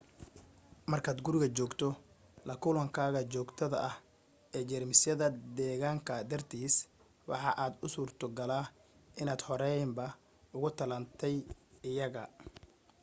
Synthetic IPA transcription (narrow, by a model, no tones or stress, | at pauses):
mɐrkʰaːd̪ɡʊɾɪɣɐt͡ʃɔːɡt̪ʰɔ | lɐkʰʊlɐŋkʰaːɣɐt͡ʃɔːɡt̪ʰɐðɐ̰ʔɐh | ɛːd͡ʒɛrmɪsjɐðɐd̪ɛːɣaːŋkʰɐd̪ɐrt̪ʰiːs | wɑ̰ħɑʔaːd̪ʊsuːrt̪ʰɐɡɐlaːʔɪnaːd̪hɔɾɛjmbɐ | ʊɣʊt̪ʰɐlɐnt̪ʰɛjɪjɐɣɐ